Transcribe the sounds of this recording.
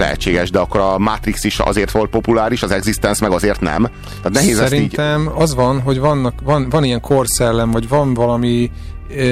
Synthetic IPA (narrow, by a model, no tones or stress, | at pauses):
lɛ̰ɦɛ̰t͡ʃːeːɡɛʃd̪ɛɒkːo̞ɾɒmaːt̪ɾiksiʃɒ̰zeːrt̪ʋo̞lt̪po̞pulaːɾiʃɒzɛɡzist̪ɛnsmɛɡɒzeːrt̪nɛ̰m | t̪aːt̪nɛɦeːzsɛɾiinːɟt̪ɛmɒzʋɒnɦo̞ɟvɒnːɒkvɒnvɒnijɛŋkʰo̞rsɛlːɛɱvɒɟvɒnvɒlɒmi